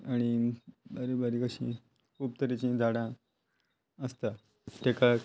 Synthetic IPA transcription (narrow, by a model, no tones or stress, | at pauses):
aɽ̃ibaɾibaɾikəɕḭ̃ | kʰuːb̚t̪əɾit͡ɕĩd͡z̪ʱaɽã | əst̪a | t̪eka